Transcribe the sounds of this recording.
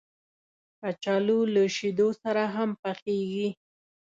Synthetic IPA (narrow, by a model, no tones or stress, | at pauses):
at͡ʃɑluləʃid̪osaɾaɦampəxeɡi